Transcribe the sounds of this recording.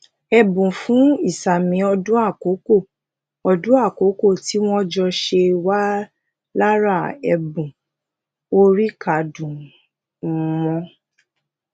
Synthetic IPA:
ɛ˧bũ˨fũ˨˦i˦˨sa˨mĩ˨˦ɔ˧dũ˦a˦˨ko˨˦ko˦˨ | ɔ˧dũ˦a˦˨ko˨˦ko˦˨ti˦w̃ɔ̃˦d͡ʒɔ˧ʃe˧wa˦ | la˦ɾa˦˨ɛ˧bũ˨ | o˦ɾi˦ka˨dũ˨˦ | mɔ̃˧

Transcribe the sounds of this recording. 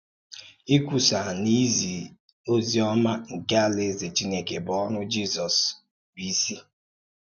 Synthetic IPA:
i˦kʷu˨sa˨ni˦zi˨ | o˦zi˦ɔ˦ma˦ŋ̩˨ka˦le˦˨ze˨t͡ʃi˦ne˦ke˨bɔ˦nʊ˦d͡ʒi˦zɔ˨s | bi˨˦si˦

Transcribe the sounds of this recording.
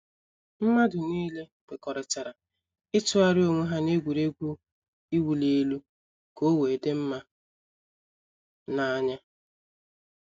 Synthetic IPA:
m̩˦ma˦dʊ˨niː˦le˦ɡ̥e˨kɔ˨ɾɪ˨t͡ʃa˨ɾa˨ | ɪ˦tʊ˦a˦ɾɪ˦o˨ŋʷe˦ɦa˦ne˦ɡʷu˨ɾe˦ɡʷu˦ | i˦wu˨le˦lu˦ | ko˦we˨de˦m̩˦ma˦ | na˨a˦ɲa˦

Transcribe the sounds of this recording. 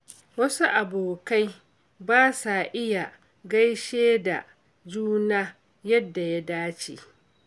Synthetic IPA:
wɐ˦su˦ʔa˨boː˨ka˦j | baː˦sa˨ʔɪ˦ja˨ | ɡa˦jʃeː˦da̰˨ | d͡ʒuː˦naː˦ | jɐ˦dːa˨ja˦daː˦t͡ʃḛ˨

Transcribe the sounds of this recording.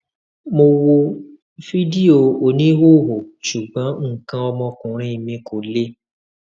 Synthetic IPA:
mo˧wo˧ | fi˦di˦o˧o˨nĩ˨˦wo˦˨ɦo˨ʃu˨ɡ͡bɔ̃˨˦ŋ̩˦˨kã˧ɔ˧mɔ̃˧kũ˨ɾ̃ĩ˦˨mĩ˧ko˨le˦

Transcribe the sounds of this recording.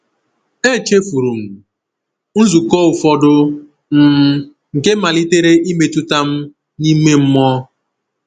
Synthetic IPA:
e˦˨t͡ʃe˦fu˨ɾu˨m̩˨ | n̩˦zu˨kɔ˦ʊ˨fɔ˦dʊ˦ | m̩˦ | ŋ̩˨ke˦ma˨li˦te˦ɾe˦i˦me˨tu˦ta˦m̩˦ | ni˦me˦m̩˦mɔ˦

